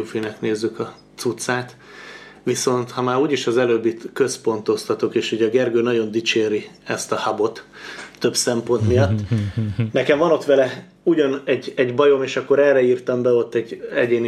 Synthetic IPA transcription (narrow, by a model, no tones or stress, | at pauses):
ufinɛkneːzːykɒ | t̪sut̪saːt̪ | ʋiso̞nt̪hɒmaːɾuːɟiʃɒzɛløːbːit̪køspo̞nt̪o̞st̪ɒt̪okeːʃhuɟɒɡɛrɡøːnɒɟo̞nd̪it͡ʃeːɾiɛst̪ɒhabo̞t̪ːø̞bsɛmpo̞nt̪mijɒt̪ːnɛkɛɱvɒno̞t̪ʋɛlɛ | uɟɒnɛɟɛɟbɒjo̞meːʃɒkːo̞ɾɛrːɛiːrt̪ɒmbɛo̞t̪ːɛɟɛɟeːni